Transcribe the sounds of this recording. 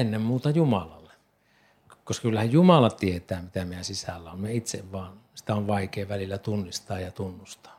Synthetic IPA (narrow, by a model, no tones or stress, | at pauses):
enːemmuːt̪ɑjumɑlɑlːe | koskɑkylːæhæjjumɑlɑt̪iet̪æːmit̪æmiæsisælːæommeit̪sḛʋʋɑːnsi̥t̪æoʋʋɑˑikˑeːʋælilːæt̪unːist̪ɑːjjɑt̪unːust̪ɑ̥ː